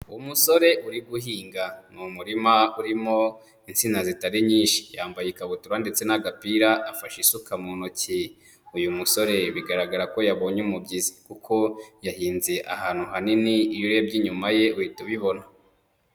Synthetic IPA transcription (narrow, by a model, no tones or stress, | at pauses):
uwumuso̞ɾe̞ʔuɾiɡuɦiːŋɡamumuɾimauɾimo | int͡sinazitaɾiɲiːnʃi̥jaːmbajikaβutuɾande̞t͡se̞naɡapiɾaʔːfaʃisukamuːnoci | ujumuso̞ɾe̞βiɡaɾaɡaɾako̞jaβo̞ːɲeumubɟizikukʰo̞jahiːnzeʔa̰haːn̥uhaniniːjuɾebɟiːɲumaje̞uhituβiβo̞na